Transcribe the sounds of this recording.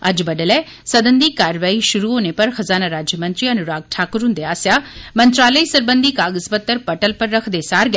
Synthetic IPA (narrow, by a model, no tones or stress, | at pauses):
ɐd͡ʒbɐɗəlɛː | sɐd̪ənd̪ikaːɾʋaːiʃʊɾuɦoːnepɐɾxɐzaːnaɾaːd͡ʒjəmɐ̃nt̪ɾiɐnʊɾaːɡ̚ʈʰaːkɾũnd̪eaːsjaːmɐ̃nt̪ɾaːləisɐɾbə̃nd̪ikaːɡəzbɐt̪ːəɾpɐʈəlpɐɾːɐkʰd̪esaːɾɡa